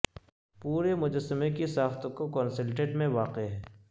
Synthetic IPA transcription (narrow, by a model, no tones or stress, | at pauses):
puːɾemʊd͡ʒəsːəmekisaːft̪õkokɔːnsɪlʈeːʈmẽʋaːqeɦɛː